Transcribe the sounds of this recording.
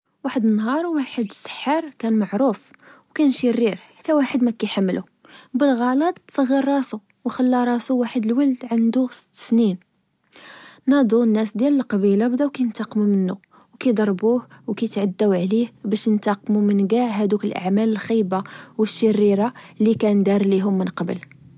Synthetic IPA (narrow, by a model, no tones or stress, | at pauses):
waħəd̪ənːɦɑɾˤwaħəd̪əsːə̥ħːəɾˤkænmaʕɾuf | wkænʃərːiɾħḁt̪ːæwaħəd̪mækæjħamːlʔu | bəlɣɑlɑt̪ˤt̪sˤɑɣːiɾːˤɑsu | wxəlːɑɾˤɑsuwaħəd̪əlwəld̪ʕand̪usə̥t̪ːsnin | nɑd̪ˤunːæsd̪jæləlqɑbilabd̪æwkæjənt̪ɑqːmumənːu | wkæjd̪ˤɑɾˤbuhwkæjt̪ʕad̪ːæwʕlihbæʃənt̪ɑqmumənɡaʕɦæd̪ukəlʔa̰ʕmæləlxijbawəʃːərːiɾalːikænd̪ɑɾˤliɦʊmːənqɑbə̰l